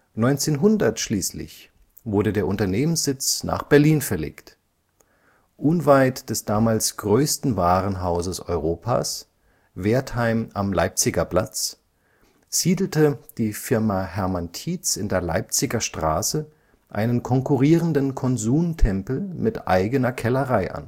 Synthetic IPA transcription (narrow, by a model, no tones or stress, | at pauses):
nɔʏnt͡seːnɦʊndɐtʃliːslɪ̰ç | v̥ʊɐɾədeːɐʔʊntɐneːmənsz̥ɪt͡sna̰ːχb̥ɛɐliːnfɛɐlḛːkt | ʔʊnvaɪtd̥ɛsd̥aːmaːlsɡ̥ʁøːstn̩vaːʁənɦaʊzəsɔʏʁoːpʰa̰ːs | veːɐthaɪmamla̰ɪp̚t͡sɪɡɐpl̥a̰t͡s | z̥iːdl̩təd̥iːfɪɐmaɦɛɐmantʰiːt͡sɪndeːɐla̰ɪp̚t͡sɪɡɐʃtʁ̥a̰ːsə | ʔa̰ɪnənkʰɔŋkuʁiːʁəndənkʰɔnzuːmtʰɛmpl̩mɪtʔa̰ɪɡənɐkʰɛləʁaɪʔa̰n